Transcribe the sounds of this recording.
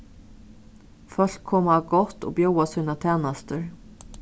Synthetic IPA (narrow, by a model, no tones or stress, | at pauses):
fœɬkʰːɔmaɡɔt̪o̰ːbjowashʉnat̪ʰɛːnast̪əɾ